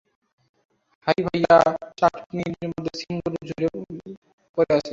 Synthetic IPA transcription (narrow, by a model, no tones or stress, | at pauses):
hajbʱajat͡ɕaʈpinidiɾmod̪ʱːesiŋɡoɾud͡ʑʱoɾe | poɾeat͡ɕʰe